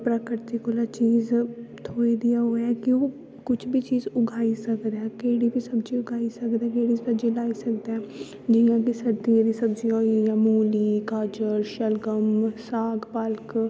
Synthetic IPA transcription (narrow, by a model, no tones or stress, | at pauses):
pɾəkəɾt̪ikʊlaːt͡ʃiːzt̪ʰoːid̪ɪjaːɦoːɛːkɪoː | kʊt͡ʃʰbʱiːt͡ʃiːzʊɡʱaːiːsəkd̪ɛːkeːɽiːbʱiːsəbd͡ʒiːʊɡʰʱaːisəkd̪ɛːkeːɽiːsəd͡ʒĩlaːiːsək̚d̪eɛː | d͡ʒɪjãːkisəɾd̪ijãːd̪iːsəbd͡ʒiãːĩjãːmuːliːkaːd͡ʒəɾʃəlɡəmsaːɡpəlk